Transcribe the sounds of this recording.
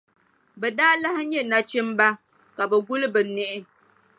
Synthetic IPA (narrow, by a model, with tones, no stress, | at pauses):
bɛ˨daː˦la˦hɪ˦ɲɛ˦na˨t͡ʃɪ˦m˦ba˦ | ka˨bɛ˨ɡʊ˦lɨ˦bɛ˨nɛ˦ʔɪ˦